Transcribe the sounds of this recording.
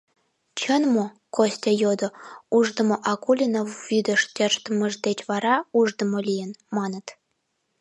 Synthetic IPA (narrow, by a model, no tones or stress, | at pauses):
t͡ɕə̆nmo | kosʲtʲejod̪ŏuʐd̪ə̆mŏʔɑkulʲinoːyd̪ə̆ʂt̪ʲeʃt̪əmə̆ʒd̪et͡ɕβɑɾɑuʒd̪ə̆molʲijə̆nmɑnə̆t̪